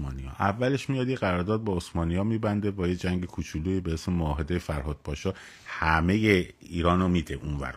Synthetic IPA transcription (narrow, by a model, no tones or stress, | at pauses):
ɒːnijɒ̰ːʔævːæle̞ʃmijɒːd̪jeɣæɾɒːɾd̪ɒːd̪̚beosmɒːnijɒːmiːbænd̪ebɒːjed͡ʒæŋɡekʰut͡ʃʰuluːibehesmemoːɦe̞d̪ejefæɾɦɒːd̪̥̚bɒːʃɒ | hæme̞je | iːɾɒːnomiːd̪eʔunvæ̰ɾ